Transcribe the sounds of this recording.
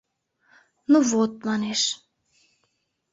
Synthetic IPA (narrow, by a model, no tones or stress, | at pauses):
nuvot̪̚mɑneʃ